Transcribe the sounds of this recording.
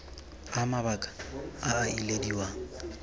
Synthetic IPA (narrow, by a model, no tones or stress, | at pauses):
amaβakʼḁaːilediwaːŋ̩